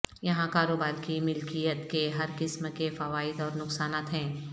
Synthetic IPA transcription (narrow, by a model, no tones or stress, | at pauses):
jɐɦãkaːɾoːbaːɾkimɪlkijət̪keɦɐɾkɪsmkefɐʋaːɪd̪ɔːɾnʊksaːnaːt̪ɦɛ̃ː